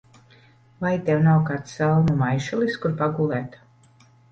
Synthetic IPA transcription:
vajt̪ɛwnawkaːt̪salˠnumajʃulˠiskuɾpaɡuːlˠɛːt̪

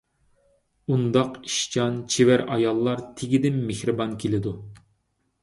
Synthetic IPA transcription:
und̪ɑqi̥ʃt͡ʃʰɑnt͡ʃʰewæɾɑjɑlˠːɑɾt̪ʰeɡʲid̪ɪmːehɾɨbɑŋkʲʰelɪd̪u

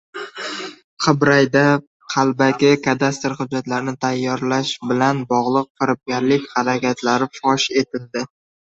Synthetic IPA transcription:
qʰɨbɾajd̪a | qʰɑlˠbakʲɪkʰad̪ast̪ɾχʊd͡ʒːat̪laɾɪnɪt̪ʰajːɒɾlaʃbɪlanbɒʁlˠɨq̚fɪɾɪp̚ɡʲaɾlɪkʲhaɾakʲat̪ʰlaɾɪfɒʃe̞t̪ʰɪld̪ɪ

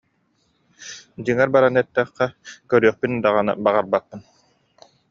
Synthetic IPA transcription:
d͡ʑɯŋaɾbaɾanɯɛt̪ːɛχqːɛkœɾyœχpynd̪aʁanɯ̰baʁaɾbatːɯn

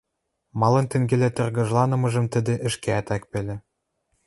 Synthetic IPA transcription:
mɑlɤ̆nt̪ĕŋɡĕlæt̪ɤ̆rɣɤ̆ʒlɑnɤ̆mɤ̆ʒɤ̆mt̪ə̆d̪ĕʔɘ̆ʃkeæt̪æk̚pĕlʲĕ

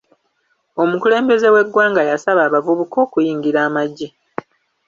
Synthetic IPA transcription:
o̞mukule̞ːmbe̞ze̞we̞ɡwaːŋɡajasaβaːβavuβuko̞ːkujiːŋɡiɾaːmaɟːi

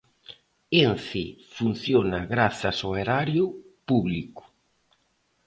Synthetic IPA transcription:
enθɪfun̟θjonaɣɾaθɐsoeɾaɾjʊ | puβlikʊ̥

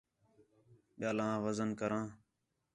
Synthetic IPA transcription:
ɓɪjaːlãːɣəzənkəɾãː

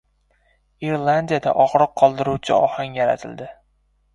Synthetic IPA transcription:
iɾlˠand̪ijad̪a̰ʔɒʁɾɨqʰːɒlˠd̪ɪɾuwt͡ʃʰɪ̰ɒhaŋjaɾa̰t̪ʰɪld̪ɪ

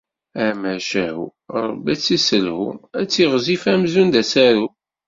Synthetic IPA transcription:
æmæʃæhṵɾˤə̰bːæt͡sːisəlhṵmæt͡sːiʁzifæmzund̪æsæɾu

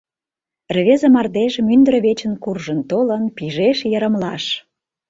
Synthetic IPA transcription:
rβezəmɑrd̪eʒəmynd̪ɾə̆βet͡ɕə̆nkurʒənt̪olənpiʒeʃjəɾə̆mlɑʃ

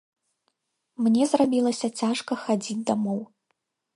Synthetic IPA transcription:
mnʲɛzrabʲilˠɐsʲɐt͡sʲaʂkɐxad͡zʲid͡zʲd̪amɔw

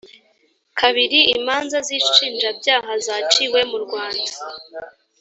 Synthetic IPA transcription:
kʰaβiɾiimaːnzaziːʃʃiːnd͡ʒabjaːɦazat͡ʃiwe̞muɾɡwaːndḁ

